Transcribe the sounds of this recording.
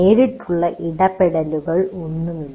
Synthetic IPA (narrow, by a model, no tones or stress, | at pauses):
eːɾiʈːuɭːɐʔiɽɐpeɽɐluɣɐɭonːumilː